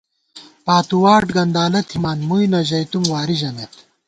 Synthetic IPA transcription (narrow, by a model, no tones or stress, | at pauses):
paːt̪uwaːʈɡɐnd̪aːlɐt̪ʰimaːnmujnɐʑɐjt̪umwaːɾiʑɐnet̪